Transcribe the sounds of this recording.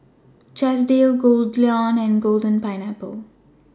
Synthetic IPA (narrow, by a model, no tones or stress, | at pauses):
t͡ʃɛs̬ɖeːlɡoːldliɔ̃ːnɛ̃nɡoːlɖə̃npãɪnæpəl